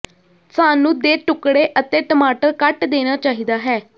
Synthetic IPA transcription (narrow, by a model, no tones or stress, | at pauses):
saːnũːd̪eːʈʊkɽeːʔət̪eːʈəmaːʈəɾkəʈd̪eːnaːt͡ʃaːɦiːd̪aːɦɛː